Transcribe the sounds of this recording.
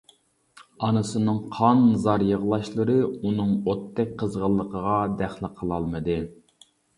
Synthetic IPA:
ɑnɨsɨnɨŋqʰɑnːɨzɑɾjəʁlˠɑʃlˠɨɾɨunɨŋot̪ːɛk̚ʲqʰəzʁəlˠːəqʰəʁɑd̪æχlˠəqʰəlˠɑlˠmɨd̪ɨ

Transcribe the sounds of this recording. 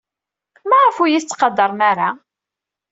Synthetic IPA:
mæʁəfujiθt͡sːqɑd̪ɑɾˤmæɾa

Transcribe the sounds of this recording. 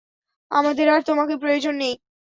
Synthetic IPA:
a̰mad̪eɾaɾt̪omakepɾojod͡ʑonːej

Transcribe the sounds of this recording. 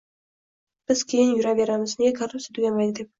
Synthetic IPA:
b̥ɪz̥kʲʰejɪnjʊɾaveɾamɪznekʰarʊpset̪ʰʊɡʲamajd̪ɪk̚

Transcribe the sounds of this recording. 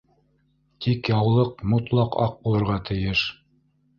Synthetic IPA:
t̪ʰikjɑwlˠɤqmŏt̪lˠɑqɑ̰q̚bulˠɤ̆ɾʁɑt̪ʰɘ̆jɘʃ

